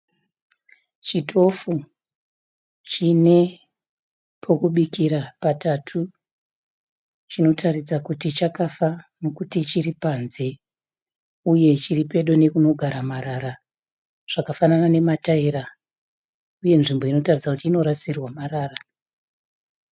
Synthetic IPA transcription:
t͡ʃitʰo̞fu | t͡ʃine̞ | pʰo̞kuɓikiɾapatatʰu | t͡ʃino̞tʰarid͡zakutit͡ʃakafano̞kutit͡ʃiripanze̞ | uje̞t͡ʃiripe̞ɗo̞ne̞kuno̞ɡʱaɾamaɾaɾa | ʐ̥akafananane̞mataiɾa | uje̞nʐimboino̞tarid͡zakutiːno̞ɾasirwamaraːra

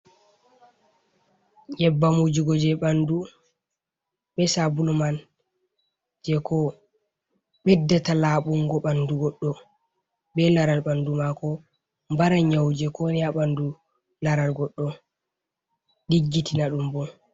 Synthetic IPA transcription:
jɛbːamud͡ʒiɡɔd͡ʒɛɓandu | ɓɛsabulɔman | d͡ʒɛkɔ | ɓɛdːɛtalaːɓuŋɡɔɓanduɡɔɗːɔ | ɓɛlaɾalɓandumakɔ | mbaɾaɲawd͡ʒɛkɔnaɓandu | laɾalɡɔɗːɔ | ɗiɡːitinaɗumbɔn

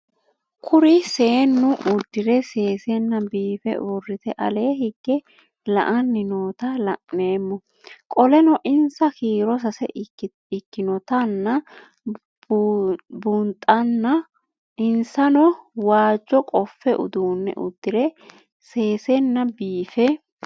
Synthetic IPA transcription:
kʰʊɾɪseːnːʊʔʊd̪ːɪɾɛse̞ːsɛnːɐbiːfɛ̰ʔʊrːɪt̪ɛʔɐ̰le̞ːhɪɡːɛ | lɐ̰ʔɐnːɪnoːt̪ɐlɐʔneːmːɔ | kʼɔlɛnɔʔɪnsɐkiːɾɔs̬ɐsɛ̰ | ɪkːɪnɔt̪ɐnːɐ | b | bʊnt̪ʼːɐnːɐ | ɪnsɐnɔwaːd͡ʒːɔkʼɔfːɛʔʊ̰d̪uːnːɛ̰ʔʊ̰d̪ːɪɾɛ | se̞ːsɛnːɐbiːfɛ

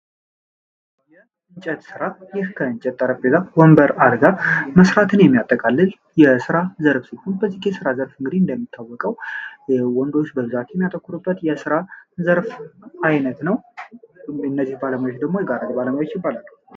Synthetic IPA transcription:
jɛ | ɨɲt͡ʃʼɛt̪sɨɾajɪhkʰəɨnt͡ʃʼɛt̪ʼːəɾəbezawɔmbəɾad̪ɡaməsɾat̪ʰɨnjɛmːijat̪ʼːəkʼalːɨl | jɛsɨɾazəɾfsihunbəzːihjɛsɨɾazəɾfɨŋɡɨd̪iɨnd̪əmːit̪ʰːawːɔkʼəw | wɔnd̪o̞t͡ʃːbəbɨzat̪jɛmːijat̪ʼəkːuɾubːət̪jɛsɨɾazəɾfʔajnət̪nəw | ɨnːəzːihbaləmajot͡ʃd̪əɡmo̞jɛɡaɾəd̪baləmajot͡ʃjɪbːalalːuh

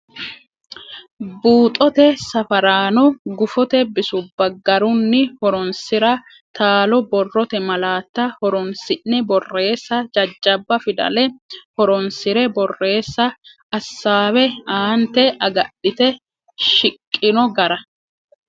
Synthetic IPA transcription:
buːt̪ʼɔt̪ɛsɐfɐɾaːnɔɡʊfɔt̪ɛbɪsʊbːɐɡɐɾʊnːɪhɔɾɔnsɪɾɐ | t̪aːlɔbɔrːɔt̪ɛmɐlaːt̪ːɐhɔɾɔnsɪnːɛbɔrːe̞ːsːɐd͡ʒɐd͡ʒːɐbːɐfɪd̪ɐ̰lɛhɔɾɔnsɪɾɛbɔrːe̞ːsːɐ | ɐsːaːwɛaːnt̪ɛɐɡɐɗːɪt̪ɛ | ʃɪkʼːɪnɔɡɐɾɐ

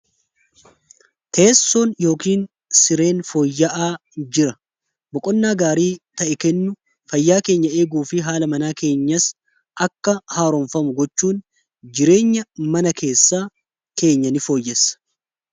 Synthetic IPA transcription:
t̪ʰe̞ːsːo̞ːnjo̞ːkiːn | sɪɾe̞ːnfo̞ːjːɐʔaːd͡ʒɪɾɐ | bɔkʼɔnːaːɡaːɾiːt̪ɐʔɛkɛnːʊ | fɐjːaːke̞ːɲːɐe̞ːɡuːfɪɦaːlɐmɐnaːke̞ːɲːɐs | ʔɐkːɐhaːɾɔɱfɐmʊɡɔt͡ʃːuːn | d͡ʒɪɾe̞ːɲːɐmɐnɐkʰe̞ːsːaː | ke̞ːɲːɐnɪfo̞ːjːɛsɐ̥

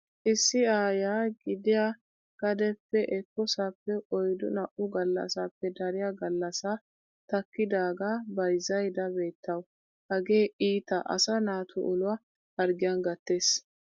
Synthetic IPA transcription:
ʔɪsːɪaːjaːɡɪd̪ɪja | ɡ̥ɐd̪ɛpːɛʔɛkːɔsaːpːɛɔjd̪ʊnɐʔʊɡɐlːɐ̰saːpːɛd̪ɐɾɪjaɡɐlːɐsa | t̪ɐkːɪd̪aːɡabɐjzɐjd̪ɐbe̞ːt̪ʰːɐw | hɐɡe̞ːʔiːt̪ɐʔɐ̰sɐnaːt̪ʰʊʔʊlʊwa | hɐɾɡɪjɐnɡɐt̪ːe̞ːs

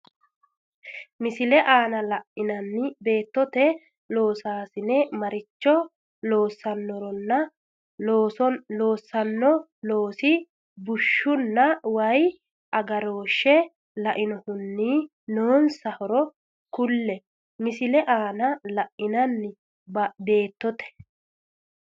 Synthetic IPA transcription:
mɪsɪlɛʔaːnɐlɐʔɪnɐnːɪbe̞ːt̪ːɔt̪ɛ | lo̞ːsaːsɪnɛmɐɾɪt͡ʃːɔ | lo̞ːsːɐnːɔɾɔnːɐ | lo̞ːsːɐnːɔ | lo̞ːsɪ | bʊʃːʊnːɐwɐj | ʔɐɡɐɾo̞ːʃːɛ | lɐʔɪnɔhʊnːiː | noːnsɐhɔɾɔ | kʊlːɛ | mɪsɪlɛʔaːnɐlɐʔɪnɐnːɪ | bɐbe̞ːt̪ːɔt̪ɛ̥

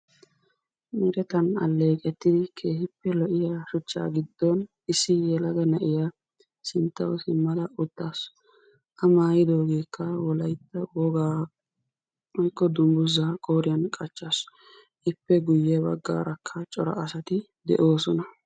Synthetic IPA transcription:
mɪɾɛt̪ɐnɐ̰lːe̞ːkʼɛt̪ːɪd̪ɪkʰe̞ːhɪpːɛlɔʔɪjaːʃʊt͡ʃːa̰ːɡɪd̪ːɔn | ɪsːɪjɛlɐɡɐnɐʔɪja | sɪnt̪ːɐwsɪmːɐlɐʔʊt̪ːaːs | ʔɐmaːjɪd̪o̞ːɡeːkːɐwɔlɐjt̪ːɐwɔɡaː | wɔjkːɔd̪ʊmbʊzakʼoːɾɪjɐnkʼɐt͡ʃːaːs | ʔɪpːɛɡʊjːɛbɐ̰ɡːa̰ːɾɐkʰːɐt͡ʃʼɔɾɐ̰ʔɐsɐt̪ɪ | d̪ɛ̰ʔo̞ːsɔnɐ

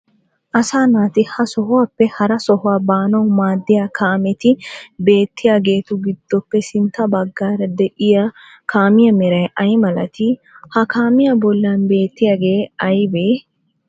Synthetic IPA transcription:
ʔɐsaːnaːt̪ɪhɐsɔɦʊwaːpːɛhɐɾɐsɔɦʊwaːbaːnɐwmaːd̪ːɪjaːkʰaːmɛt̪ɪbe̞ːt̪ʰːɪjaːɡe̞ːt̪ʊɡɪd̪̥ːɔpːɛsɪnt̪ːɐbɐɡːaːɾɐd̪ɛʔɪja | kʰaːmɪjɐmɛɾɐjɐjmɐlɐt̪ɪhɐkaːmɪjabɔlːaːnbe̞ːt̪ːɪjaːɡe̞ːɐjbeː

